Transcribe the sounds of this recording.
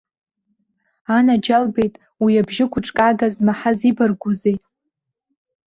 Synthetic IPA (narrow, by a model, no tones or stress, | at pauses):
anad͡ʒalbe̞jtʼ | wiabʒɪkʷʰʊʈ͡ʂʼkʼaɡazmaħazibarɡʷuze̞jtʼ